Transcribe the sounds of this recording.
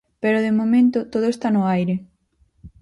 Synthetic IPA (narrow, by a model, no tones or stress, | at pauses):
peɾoðemomẽnt̪ʊt̪oðoest̪anʊajɾɪ